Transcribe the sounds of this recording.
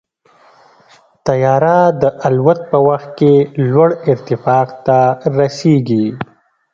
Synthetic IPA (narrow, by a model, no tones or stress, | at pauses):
t̪ajɑɾad̪əʔalwat̪̚pəwaxt̪̚kelwaɽɪɾt̪ɪfɑqt̪aɾaseɡi